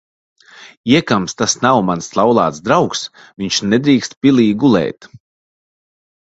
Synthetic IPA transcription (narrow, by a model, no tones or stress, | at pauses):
iɛkamst̪asnawmanslˠawlˠaːt̪sd̪ɾawks | viɲʃnɛd̪ɾiːkst̪pʲilʲˠiːɡulˠɛ̰ːt̪